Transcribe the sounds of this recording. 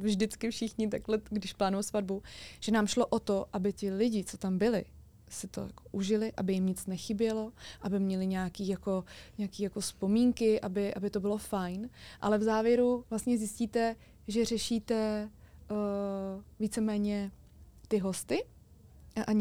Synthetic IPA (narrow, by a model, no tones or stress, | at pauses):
vʒdɪt͡skɪfʃɪxɲɪt̪̬aklɛɡdɪʃplaːnujosvad̚buʒ̥ɛnaːmʃlo̞ʔot̪oʔabɪt̪ɪlɪɟɪt͡so̞t̪ambɪlɪ̰ | sɪt̪o̞̰jako̥ʔuʒɪlɪʔabɪjɪmɲɪt͡snɛxɪbjɛlo̞ʔabɪmɲɛlɪɲaakiːjako̞ɲɛakiːjako̞spo̞miːŋkɪʔabɪʔabɪt̪o̞bɪlo̞fajnʔa̰lɛvzaːvjɛɾuvlast̪ɲɛzjɪsciːt̪ɛ | ʒɛrɛʃiːt̪ɛ | viːt͡sɛmɛːɲɛ | t̪ɪɦo̞st̪ɪ | ʔa